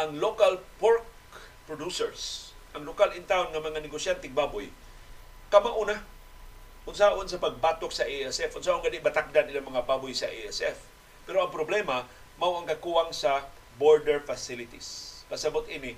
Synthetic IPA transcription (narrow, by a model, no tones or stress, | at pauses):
ʔaŋlokalpaɹk̚ | pɹod̪usɛɹs | ʔɐaŋlokalɪnt̪awnŋamɐŋanɪɡosjant̪ɪŋ̚baːbʊj | kɐmaʔʊna | ʔʊnsaʔonsɐpaɡ̚bat̪ok̚sɐʔeɛsɛfʔʊnsaːʔʊnɡad̪ibat̪ak̚d̪anʔilaŋmɐŋababʊjsɐ̰ʔeɛsɛf | pɛɾoɐŋpɾoblɛma | mawɐŋkɐkuwaŋsɐ | boɹd̪ɛɹfasɪlɪt̪ispɐsɐbʊt̪̚ʔinɪ